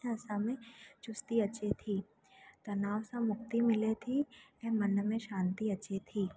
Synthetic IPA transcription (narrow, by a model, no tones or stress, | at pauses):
ɐsamẽt͡ʃʊst̪iɐt͡ʃʰet̪ʰiː | t̪ɐnaːʋsãmʊk̚t̪imɪlet̪ʰiɛmɐnmẽʃãːnt̪iɐʃʰet̪ʰiː